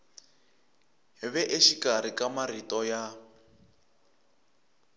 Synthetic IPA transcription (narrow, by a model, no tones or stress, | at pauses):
ɦiβɛʔeʃikaɾ̤ikamaritɔja